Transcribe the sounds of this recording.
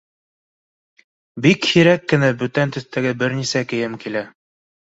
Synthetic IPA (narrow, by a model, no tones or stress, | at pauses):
bikhiɾækːɘ̆næbɵt̪ænt̪ɵ̆θt̪æɡɘbɘɾnisækɘ̆jɘmkilæ